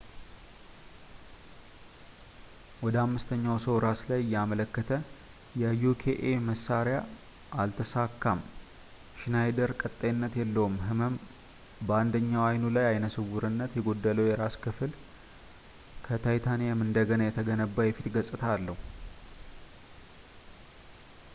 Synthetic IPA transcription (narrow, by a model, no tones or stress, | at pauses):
wɔd̪əamːɨst̪ʰəɲːawsəwɾaslajjːɛamələkːət̪ʰə | jɛjukʰeʔeməsːaɾja | ʔalt̪ʰəsakːam | ʃnajd̪əɾkʼət̪ʼːəjɪnːət̪jɛlːəwumɦɨməm | bəand̪əɲːawajnulajajnəsɨβuɾɨnːət̪jɛɡo̞d̪ːələwjɛɾaskʰɨfɨl | kʰət̪ʰajt̪ʰanijamɨnd̪əɡənajɛt̪ʰəɡənəbːəjɛfit̪ɡəsʼɨt̪ʰalːəhu